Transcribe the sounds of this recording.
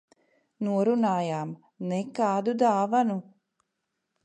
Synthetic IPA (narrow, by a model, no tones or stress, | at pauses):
nuɔɾunaːjaːm | nɛkaːd̪ud̪aːvanu